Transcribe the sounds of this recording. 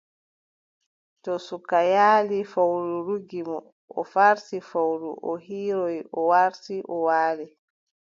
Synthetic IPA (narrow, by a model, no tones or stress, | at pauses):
tɔsukajaːlifawɾuɾuɡimɔ | ɔ̰faɾsifawɾuʔɔɦiːɾɔjʔɔwaɾsiʔɔwaːlɛ